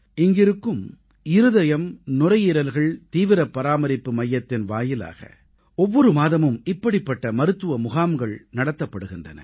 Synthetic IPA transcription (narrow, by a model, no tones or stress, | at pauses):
ɪŋɡɪɾɯkːɯm | ɪɾɯðɐjɐmnʊrɐjɪɾɐlɣɐɭt̪iːʋɪɾɐpːɐɾaːmɐɾɪpːɯmɐjːɐt̪ːɪnʋaːjɪla̰ːɣɐ̰ | ɔʋːɔɾɯmaːðɐmɯmɪpːɐɽɪpːɐʈːɐmɐɾɯt̪ːɯʋɐmʊɣaːmɡɐɭnɐɽɐt̪ːɐpːɐɽɯɣɪndrɐ̰nɐ̰